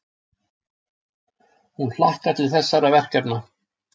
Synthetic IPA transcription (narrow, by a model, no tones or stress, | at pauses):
hunl̥ahkaɾt̪ʰɪlθɛsːaɾavɛr̥kɛpna